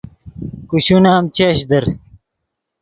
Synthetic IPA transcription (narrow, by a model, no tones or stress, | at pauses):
kuɕunaːmt͡ɕeɕd̪ɐɾ